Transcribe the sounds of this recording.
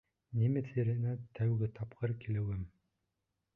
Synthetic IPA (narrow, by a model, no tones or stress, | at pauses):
nimɘθiɾɘ̆næt̪ʰæwɡɘt̪ʰɑpqɤɾkilɘ̆wɘm